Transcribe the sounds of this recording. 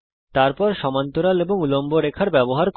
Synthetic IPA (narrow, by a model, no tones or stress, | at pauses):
t̪aɾpɔɾʃɔmant̪oɾaleboŋulomboɾekʰaɾbɛboɦaɾk